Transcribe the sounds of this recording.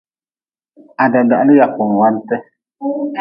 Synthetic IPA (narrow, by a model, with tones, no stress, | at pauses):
a˨da˨da˨˦lɪ˦ja˨kʊ˨n˨wa˦n˦tɛ˦